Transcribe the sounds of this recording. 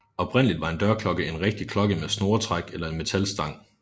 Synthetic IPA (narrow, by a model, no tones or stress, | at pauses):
ɒ̽b̥ʰʁen̰əlid̥ʋɑ̈e̝nd̥ɶɐkʰlɒ̽ɡ̥əe̝nʁeɡ̥̚d̥ikʰlɒ̽ɡ̥əmesno̝ːɐt͡sʰʁaɡ̥elɐe̝nme̝t͡sʰælsd̥ɑ̈ŋ̰